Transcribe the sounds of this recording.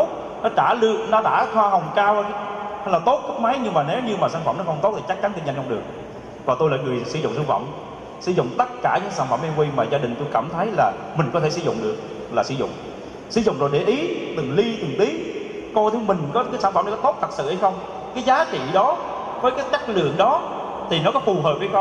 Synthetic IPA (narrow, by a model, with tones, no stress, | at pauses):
o˦˥t̚ | nɔ˨˦t͡ɕaː˧˩lɨ˧˨ək̚nɔ˨˦ɗa̰ː˧˥xwaː˧ɦə˨˩wŋ͡mkaː˧wa˧jlaː˨˩t̪o˦˥t̚kə˦˥k̚ma˨˦jɲɨ˧ŋmaː˨˩ne˨˦wɲɨ˧maː˨˩saː˧˩nfə̰˧˩˨mnɔ˨˦xə˧ŋ͡mt̪o˦˥t̪̚ʰi˨˩t͡ɕa˦˥k̚t͡ɕa˨˦nt̪i˧˩ɲa˧˩ŋt͡ɕɔ˧ŋ͡mɗɨ˨˩əŋ | kɔ˨˩t̪o˧laː˨˩ŋɨ˨˩əjsɨ̰˧˩zʊ̰˧˨ŋ͡msaː˧ŋfə̰˧˨m | sɨ̰˧˩zʊ̰˧˨ŋ͡mt̪ə˦˥t̚kaː˧˩ɲɨ̰˧˥ŋsaː˧˩nfə˧˩mʔɛ˧ŋkwi˧maː˨˩zaː˧ɗï˨˩ŋ̟t̪o˧jkaː˧˩mt̪ʰə˨˦jlaː˨˩ | mï˨˩ŋ̟kɔ˨˦e˧˩sɨ̰˧zʊ̰˧˨ŋ͡mɗɨ˨˩ək̚ | laː˨˩sɨ̰˧˦zʊ̰˧˨ŋ͡m | sɨ̰˧˩˦zʊ̰˧˨ŋ͡mzo˨˩jɗe˧˩ʔi˨˦t̪ɨ˨˩ŋli˧t̪ɨ˨˩ŋt̪i˨˦ | kɔ˧jt̪ʰɨ˨˦mï˨˩ŋ̟kɔ˨˦kaː˨˦jsaː˧˩nfmna˨˦kɔ˨˦t̪o˦˥t̚t̪ʰə˨˩sɨ̰˧˨ʔha˧jxə˧wŋ͡m | kaː˨˦jzaː˨˦t͡ɕḭ˧˨ɗɔ˨˦ | vəː˨˦jkaː˨˦jt͡ɕa˦˥k̚lɨ̰˧˨əŋɗɔ˨˦ | t̪ʰi˨˩nɔ˨˦kɔ˨˦fu˨˩ɦəː˨˩p̚vəː˨˧˦jx